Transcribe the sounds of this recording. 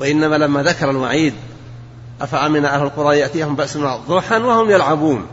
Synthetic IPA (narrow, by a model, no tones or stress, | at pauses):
waʔɪnːamaːlamːaðakɑɾˤalwaʕiːd̪̚ | ʔafaʔamɪnaʔanhalqʊɾˤɑːjaʔt̪iːhʊmbaʔsʊnaðˤʊħanwahʊmjalʕabuːn